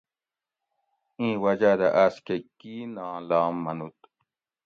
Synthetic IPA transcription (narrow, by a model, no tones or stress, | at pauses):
ĩːwɐd͡ʑad̪aʔaskekinãːlaːmːɐnut̪